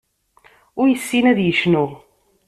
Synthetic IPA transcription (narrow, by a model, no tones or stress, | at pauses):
ʊɾjəsːinæðjəʃnu